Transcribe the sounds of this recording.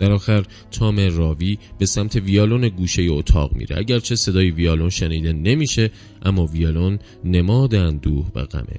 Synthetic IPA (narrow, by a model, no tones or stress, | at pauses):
æɾɒːxæɾ | t̪ʰɒːme̞rɒːviːb̥e̞sæmt̪ʰe̞viɒːloneɡuːʃe̞jeot̪ʰɒ̰ːɣmḭːɾeʔæ̰ɟæɾt͡ʃʰe̞se̞d̪ɒːjiviɒːlonʃeniːd̪e̞ne̞miːʃe̞ | ʔæmːɒːviɒːlonː | emɒːd̪eænd̪uːhvæ̰ɣæ̰mʔḛ